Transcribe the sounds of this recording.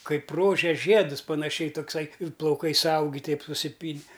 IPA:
ˈkɐɪp ˈroːʒʲeːs ˈʒʲiɛdʊs pɐnɐˈʃʲɛɪ toːkˈsɐɪ ɪr plˠɐʊˈkɐɪ sʊˈɐʊɡʲɪ ˈtʲɛɪp sʊsʲɪˈpʲiːnʲɪ

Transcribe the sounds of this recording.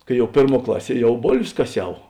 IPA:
ˈkɐɪ ˈjɛʊ ˈpʲeːrˌmuɔ ˈklˠɑːˌsʲiɛ ˈjɛʊ ˈboːlʲʋʲeːs kɐˈsʲɛʊ

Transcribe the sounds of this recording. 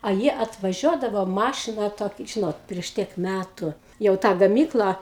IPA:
ɐ ˈjiɛ ɐtʋɐˈʒʲuɔdɐʋoː ˈmɑːʃʲɪnɐ ˈtoːk ˈʒʲɪnoːt pʲrʲiɛʃ ˈtʲiɛk ˈmʲætʊ jɛʊ ˈtɑː ɡɐˈmʲiːklˠɑː

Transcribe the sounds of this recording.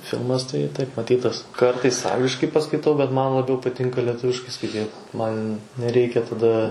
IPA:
ˈfʲɪlˠmɐs tɐɪ tɐɪp mɐˈtʲiːtɐs ˈkɐrtɐɪs ˈɐŋɡlʲɪʃkɐɪ pɐskɐɪˈtɐʊ bʲɛt ˈmɐn lˠɐˈbʲɛʊ pɐˈtʲɪŋkɐ lʲiɛˈtʊʋʲɪʃkɐɪ skɐɪˈtʲiːt ˈmɐn nʲɛˈrʲɛɪkʲɛ tɐˈdɐ

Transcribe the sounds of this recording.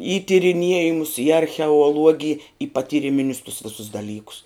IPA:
iː tʲɪrʲɪˈnʲiɛjɪmʊs iː ɐrʲxʲɛʊɔˈlˠuɔɡʲɪj iː pɐtʲiːrʲɪˈmʲɪnʲʊs tʊs ˈʋʲɪsʊs dɐˈlʲiːkʊs

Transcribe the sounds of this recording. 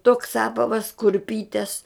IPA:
toːks ˈɑːpɐʋɐs kʊrʲˈpʲiːtʲɛs

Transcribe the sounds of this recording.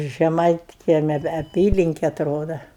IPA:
ʒʲɛˈmɐɪtʲkʲiɛmʲɛ ʋʲɛ ɐˈpʲiːlʲɪŋʲkʲɛ ɐtˈroːdɐ

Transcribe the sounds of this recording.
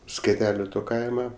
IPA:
sʲkʲɛˈtʲæːlʲʊ ˈtoː ˈkɐɪmɐ

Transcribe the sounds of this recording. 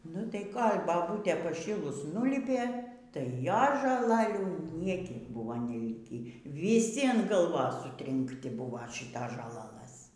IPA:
nʊ tɐɪ ˈkoːlʲ bɐˈbuːtʲeː pɐˈʃʲiːlˠʊs ˈnʊlʲiːpʲeː tɐɪ ˈjoːs ʒoːˈlˠɑːlʲuː ˈnʲiɛkʲiɛk ˈbʊʋoː nʲɛˈlʲɪkʲiː ʋʲiːˈsʲɪ ɐn ɡɐˈlˠʋoːs sʊtʲrʲɪŋkˈtʲɪ ˈbuːʋɐ ˈʃʲɪtoːs ʒoːˈlˠɑːlˠɘs

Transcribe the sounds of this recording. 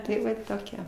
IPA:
tɐɪ ˈʋɐ toːˈkʲiɛ

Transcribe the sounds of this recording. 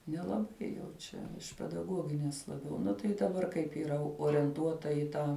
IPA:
nʲɛlˠɐˈbɐɪ jɛʊ ˈt͡ʃʲɛ ɪʃ pʲɛdɐˈɡuɔɡʲɪnʲɛs lˠɐˈbʲɛʊ ˈnʊ tɐɪ dɐˈbɐr kɐɪp iːˈrɐ oːrʲiɛnˈtuɔtɐ ɪ ˈtɑː

